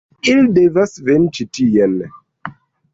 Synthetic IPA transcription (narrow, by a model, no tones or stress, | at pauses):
ildevasvent͡ʃitijɛl